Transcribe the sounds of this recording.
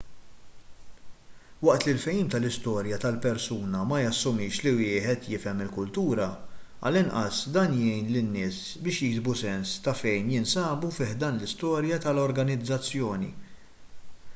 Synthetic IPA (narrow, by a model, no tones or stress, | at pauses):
wɐʔt̪lɪlfɛjiːmt̪ɐlɪst̪ɔːɾjɐt̪ɐlpɛɾsuːnɐmɐjɐsːʊmːɪːʃliwɪːħɛt̪jɪfɛmɪlkʊlt̪uːɾɐ | ɐ̰lɪnʔɐ̰sd̪ɐːnjɛjnlɪnːɪːs | bɪːʃjɪɡzbusɛnst̪ɐfɛjnjɪnsɐːbufɪːħd̪ɐːnlɪst̪ɔːɾjɐt̪ɐlɔɾɡɐnɪd͡zːɐt͡sːjɔːnḭ